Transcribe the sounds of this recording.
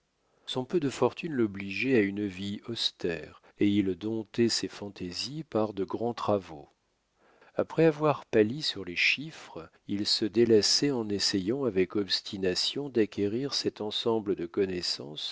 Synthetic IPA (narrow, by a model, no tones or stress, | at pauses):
sɔ̃pød̪əfɔʁt̪ynlɔbliʒɛaynviɔst̪ɛʁ | eild̪ɔ̃t̪ɛsefɑ̃t̪ezipaʁd̪əɡʁɑ̃t̪χavo | apχɛavwaʁpalisyʁleʃifχ | ilsəd̪elasɛɑ̃nesejɑ̃avɛkɔbst̪ʰinasjɔ̃d̪akʲʰeʁiʁsɛt̪ɑ̃sɑ̃bləd̪əkɔnɛsɑ̰̃s